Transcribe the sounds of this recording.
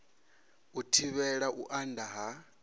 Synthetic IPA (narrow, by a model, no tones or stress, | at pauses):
utʰiβɛɺaʔuʔandaɦa